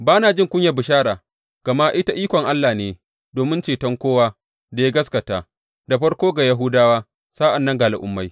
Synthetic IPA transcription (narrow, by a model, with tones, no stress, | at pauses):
baː˦naː˨d͡ʒɪ˦ŋkʷʊ˦ɲja˨bɪ˨ʃaː˦ɾaː˨ | ɡ̥ɐ˨ma˦ʔɪ˦ta˦ʔiː˦kʷɔ˨ŋʔa˦lːaː˨neː˦ | doː˨mɪ˦nt͡ʃeː˨tɐ˦ŋkʷoː˦waː˦ | da˨ja˦ɡɐ˦skɐ˨taː˨ | da˨ɸɐ˦ɽkʷoː˦ɡa˨jɐ˦ɦʊː˦daː˦waː˦ | saː˦ʔa˨nːɐ˦ŋɡaː˨lʔʊ̰˨˦mːa˦j